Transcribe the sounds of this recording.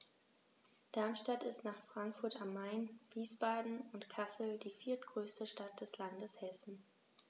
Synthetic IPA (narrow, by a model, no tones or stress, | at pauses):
d̥aɐmʃtatɪstnaːχfʁ̥aŋkfʊɐtamːaɪnviːsb̥aːdn̩ʊntkʰasl̩diːfiːɐtɡ̥ʁøːstəʃtat̚d̥ɛslandəshɛsn̩